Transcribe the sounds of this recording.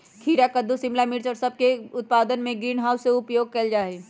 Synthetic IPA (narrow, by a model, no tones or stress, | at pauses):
kʰiːɾakəd̪ʱusɪ̃mlamɪɾt͡ʃɔːɾsɐb̚keʊt̪̚paːd̪ənmẽɡɾiːnɦaːʊsːeʊpjoːɡ̚kɐld͡ʒaːeː